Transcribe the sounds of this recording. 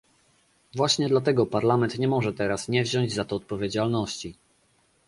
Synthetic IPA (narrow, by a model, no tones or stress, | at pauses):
vwaɕɲɛd̪lat̪̬ɛɡɔpaɾlamɛnt̪ɲɛmɔʐɛt̪ɛɾasɲɛvʑɔɲd͡ʑzat̪ɔːt̪̚pɔvʲjed͡ʑalnɔɕt͡ɕi